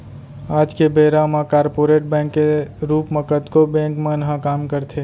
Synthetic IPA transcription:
aːd͡ʒkebeːɾamãkaːɾpoːɾeːʈ̚bɛ̃ːŋkːeɾuːpməkət̪kobɛ̃ːŋkmẽnəɦãkaːmkəɾt̪ʰe

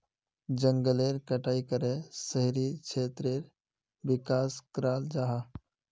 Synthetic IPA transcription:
d͡ʒəŋɡəleɾkəʈaːikəɾesəɦiɾit͡ʃʰet̪ɾeɾ | bɪkaːskɾaːld͡ʒaɦa

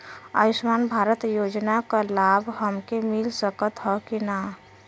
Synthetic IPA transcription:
ə̰ismanbʱaɾət̪jod͡ʒnakalabɦəmkemilsəkət̪ɦɔkina

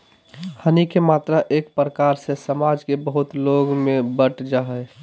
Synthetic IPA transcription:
hənikemaːt̪ɾaʔeːk̚pɾəkaːɾsesəmaːd͡ʒkebəɦʊt̪loɡmẽbəʈd͡ʒaɦəɛ

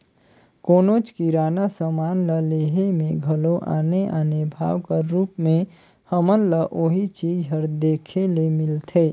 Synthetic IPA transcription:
koːnoːt͡ʃkiɾaːnasəmaːnləleːɦemẽɡʱəloʔa̰ːneʔaːnebʱa̰ːwkəɾuːpmẽ | həmənləʔoɦit͡ʃiːd͡ʒɦəɾd̪eːkʰelemɪlt̪ʰeː

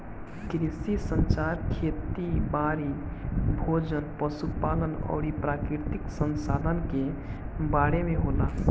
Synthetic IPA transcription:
kɾisisənt͡ʃaɾkʰet̪ibaɾibʱod͡ʒənpəsupalənɔ̰ːɾipɾakɾiɾt̪iksənsad̪ʱənke | baɽemeɦola

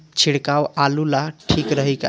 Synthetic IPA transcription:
t͡ʃʰiɽkawʔalulaʈʰikɾəɦəka̰

